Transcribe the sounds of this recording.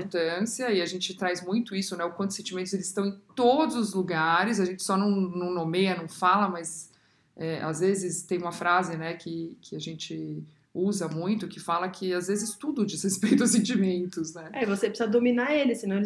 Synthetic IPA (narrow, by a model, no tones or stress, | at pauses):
ɾt̪ɐ̃siɐɪaʒẽnt͡ʃɪt̪ɾazmũj̃t̪ʊisʊnɛʊkwɐ̃nt̪ʊsẽnt͡ʃimẽnt̪ʊzelɪsst̪ɐ̃w̃ẽjt̪od̪ʊzʊzluɡaɾɪzɐʒẽnt͡ʃɪ̥sɔnɐ̃w̃nɐ̃w̃nomejɐnɐ̃w̃falɐmɐz | ɛʔa̰zvezɪst̪ẽj̃ũmɐfɾazɪnɛkɪkʰɪaʒẽnt͡ʃɪ | uzɐmũj̃t̪ʊkɪfalɐkʰɪazvezɪst̪ud̪ʊd͡ʒishespejt̪ʊɐs̬ẽnt͡ʃimẽnt̪ʊsnɛɛivosepɾsɐd̪ominaelɪsɪ̃nɐ̃w̃